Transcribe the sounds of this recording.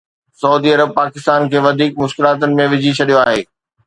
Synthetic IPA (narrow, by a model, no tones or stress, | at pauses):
sɐuːd̪iɐɾəb̚paːkɪst̪aːnkʰeːʋɐd̪ʱiːk̚mʊʃkɪlaːt̪̬ənɪ̆mẽʋɪd͡ʑʱit͡ɕʰɐɗijoaːɦeː